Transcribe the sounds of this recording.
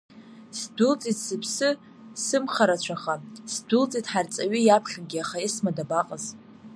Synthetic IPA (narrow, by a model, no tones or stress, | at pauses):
sdʷʊlt͡sʼitʰsɨpʰsɨ | sɨmχaɾat͡ɕʷʰaχasdʊlt͡sʼitʰħart͡sʼaɥijapʰχʲaɡʲiaχaismadabaqʼəz